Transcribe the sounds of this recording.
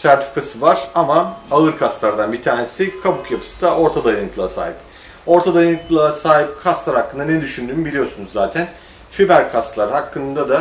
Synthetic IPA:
sæɾt̪ʰi̥fi̥kʰasɯvaɾ̥amaaɯɾkʰast̪lˠaɾd̪anbit̪ʰaːnesikʰabukjapʰɯ̥sɯ̥d̪aʔo̞ɾt̪ʰad̪ajank̪ʰlˠasa̰ːip | o̞ɾt̪ʰad̪ajaɯnt̪lˠasaːɦip̚kʰast̪lˠaɾhakːɯnd̪aned̪yʃynd̪yːnybilʲijo̞sunuzːaːt̪ʰæn | fibæɾkʰast̪lˠaɾɯhakʰːɯnnd̪ad̪a

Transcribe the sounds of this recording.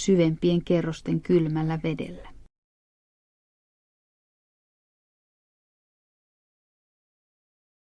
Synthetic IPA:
syʋe̞mpie̞ŋke̞rːost̪e̞ŋkylmælːæʋe̞dḛlːæ

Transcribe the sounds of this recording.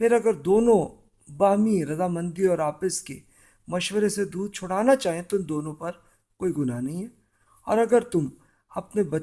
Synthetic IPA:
pʰɪɾɐɡəɾd̪oːnõ | baːɦmiɾɐzaːmɐ̃nd̪iɔːɾaːpɪskḛ | mɐʃwəɾesed̪uːd̪̚t͡ʃʰʊɽaːnat͡ʃaːɦiẽt̪oɪ̃nd̪oːnõpɐɾ | koːiɡʊnanɐɦĩɦɛː | ɔ̰ːɾɐɡəɾt̪ʊm | ɐpnebɐ

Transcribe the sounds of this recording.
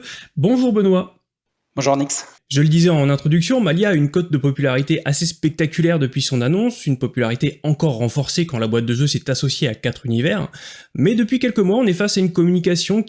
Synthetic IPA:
bɔ̃ʒuʁbənwa | b̥ɔ̃ʒuʁniks | ʒələd̪izɛɑ̃nɛ̃t̪χɔd̪yksjɔ̃maljaːynkɔt̪̚d̪əpɔpylaʁit̪eʔasespɛk̚t̪akʲylɛʁd̪əpɥisɔ̃nanɔ̃synpɔpylaʁit̪eɑ̃kɔʁːɑ̃fɔʁsekɑ̃labwat̪̚d̪əʒøsɛt̪asɔsjeakat̪χynivɛːʁmɛd̪əpɥikʲɛlkəmwaɔ̃nɛfasaynkɔmynik̬asjɔ̃

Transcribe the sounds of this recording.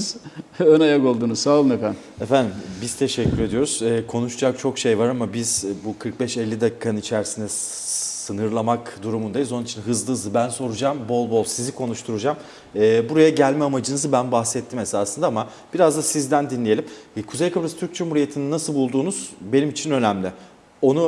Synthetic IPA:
zønajako̞lˠd̪uːnuzsaːlˠɯnefæn | efænd̪imbiz̥t̪ʰeʃɛcʰʲːyɾe̞d̪ijo̞ɾuz̥ɛːkʰo̞nuʃud͡ʒak̚t͡ʃʰo̞kʃe̞jvaɾamabiz̥bukʰɯɾk̚bɛʃɛlʲːid̪akʰikʰːanɯnit͡ʃʰæɾsind̪ɛ | sɯnɯɾlˠamakd̪uɾumund̪ajizo̞nunit͡ʃʰinɦɯzlˠɯzɯbænso̞ɾud͡ʒaːmbo̞lˠbo̞lˠsizikʰo̞nuʃt̪ʰuɾud͡ʒam | ɛːbuɾajaɟælʲmɛamad͡ʒɯnɯzɯbænbaxsɛt̪ʰːime̞saːsɯnd̪aama | b̥iɾazd̪asizd̪ænd̪inlʲeje̞lʲimkʰuze̞jkʰabɾast̪ʰyɾk̚d͡ʒumhuɾije̞t̪ʰininːasɯlˠbulˠd̪uːnuz̥be̞nimit͡ʃʰinø̞næmlʲɪ | o̞nu

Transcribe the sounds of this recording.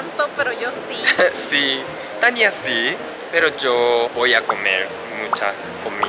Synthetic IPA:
t̪opeɾojosisi | t̪aniasi | peɾod͡ʒobojakomeɾ | mut͡ʃa | komi

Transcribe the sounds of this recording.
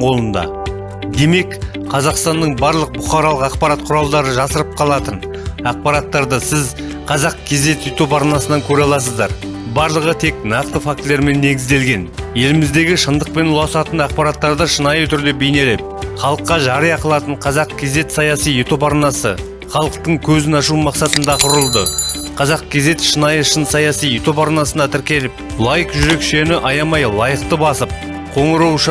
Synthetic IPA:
ɴqʰo̞lˠənd̪ɑ̰ | d̪e̞me̞k | qʰɑzɑqst̪ɑnːəɴbɑɾlˠəq̚bʊχɑɾɑlˠəqɑqpɑɾɑt̪̚qʰʊɾɑlˠd̪ɑɾəʒɑsəɾəp̚qʰɑlˠɑt̪ən | ɑq̚pɑɾɑt̪ːɑɾd̪əsɪz | qʰɑzɑqkʲʰe̞ze̞t̪jet̪o̞pɑɾnɑsənɑŋkʲʰɵɾɑlˠɑsəzd̪ɑɾ | bɑɾlˠəʁət̪ʰe̞knɑq̚t̪əfak̚t̪leɾme̞nːe̞ɡʲɪzd̪e̞lɡʲe̞nje̞lɪmɪzd̪e̞ɡʲɪʃənd̪əq̚pe̞nʊlˠɑsɑt̪ənɑq̚pɑɾɑt̪ːɑɾd̪əʃənɑjət̪ʰʏɾd̪e̞be̞jne̞le̞p̚χɑlˠəqːɑʒɑɾəjɑqəlˠɑt̪əɴqʰɑzɑq̚kʲʰe̞ze̞t̪sɑjɑsijet̪ʰo̞pɑɾnɑsə̰ | χɑlˠəqt̪əɴkʲʰɵzɪnɑʃumɑqsɑt̪ənd̪ɑqʰʊɾəlˠd̪ə | qʰɑzɑq̚kʲʰe̞ze̞t̪ʃənɑjəʃənsɑjɑsijet̪o̞pɑɾnɑsənɑt̪ʰɪɾkʲe̞lɪp̚ | lˠɑjəqʒʏɾe̞kʃe̞nɪʔɑjɑmɑjlˠɑjəq̚t̪əbɑsəp̚ | qʰo̞ɴəɾuwʃ

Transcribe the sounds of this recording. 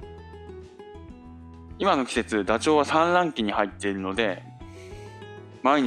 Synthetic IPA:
imano̞kʲi̥se̞t͡sɨd̪at͡ɕo̞ːβasãnɾãŋkʲiɲ̟ihait̪ːe̞iɾɯ̟no̞d̪e̞ | maeɲ̟

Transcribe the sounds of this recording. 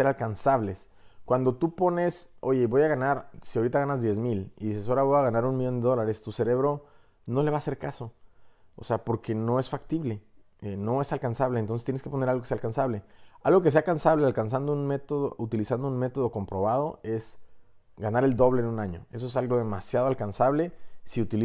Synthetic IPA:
eɾalkansaβle̞s | kwand̪o̞t̪upo̞ne̞so̞ʝe̞βo̞jaɣanaɾsiaoɾit̪aɣanazðje̞zmilḭðise̞so̞ɾaβo̞jaɣanaɾunmiʝo̞nd̪e̞ðo̞laɾe̞st̪use̞ɾe̞βɾo̞ | no̞le̞βaːse̞ɾkaso̞o̰seapo̞ɾke̞no̞e̞sfakt̪iβle̞ | eno̞esalkansaβleːnt̪o̞nset̪eneskepo̞nealɣokesealkansaβle̞alɣo̞k̬e̞s̬e̞akansaβlealkans̬and̪ounme̞t̪oðo̰ut̪ilisand̪ounme̞t̪o̞ðo̞ko̞mpɾo̞β̞aðo̞e̞s | ɡanaɾe̞ld̪o̞βlenunaɲo̞̰e̞soe̞salɣo̞ðe̞masjaðoalkansaβle̞siut̪ili

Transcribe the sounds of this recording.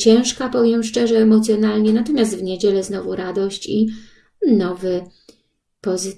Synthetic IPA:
t͡ɕɛ̃w̃ʂkapɔvʲjɛmʂt͡ʂɛʐɛːmɔt̪sʲjɔnalɲɛnat̪ɔmʲjast̪vɲed͡ʑɛlɛznɔvuɾad̪ɔɕt͡ɕi | nɔvɘ | pɔz

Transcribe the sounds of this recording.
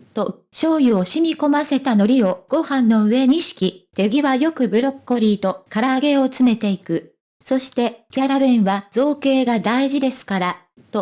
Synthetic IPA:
t̪o̞ | ɕo̞ːjɯo̞ɕimʲiko̞mase̞t̪ano̞ɾʲio̞ɡ̥o̞hãnːo̞ɯ̟e̞ɲ̟iɕi̥kʲit̪e̞ɡʲiβajo̞kɯ̟bɯ̟ɾo̞kːo̞ɾʲiːt̪o̞kaɾaːɡe̞o̞t͡sɨme̞t̪e̞ikɯ̟ | so̞ɕi̥t̪e̞kʲaɾaβẽɰ̃βazo̞ːke̞ːɡad̪aiʑid̪e̞sɨ̥kaɾa | t̪o̞

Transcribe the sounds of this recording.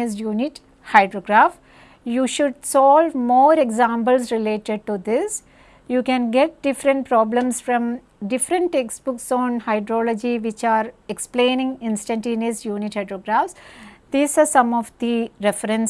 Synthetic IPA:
izjuːnɪʈ | haɪɖɾoɡɾaːf | juːʃʊɖsɔːlʋmoːɾeɡzãːmpəlsɾɪleːʈeɖ̚ʈud̪ɪs | juːkɛ̃nɡɛʈ̚ɖ̥ɪfɾə̃ɳʈ̚pɾɔːblə̃msfɾɔ̃m | ɖɪfɾə̃ɳʈeksbʊksɔ̃ːnhaɪɖɾɔːlɔd͡ʒiʋɪt͡ʃaːɾeksplẽːnɪ̃ŋɪ̃nsʈə̃ɳʈĩːnizjuːniʈhaɪɖɾoːɡɾaːfsd̪̥iːsaːɾsʌ̃mɔʋd̪iɾɛfəɾə̃ns

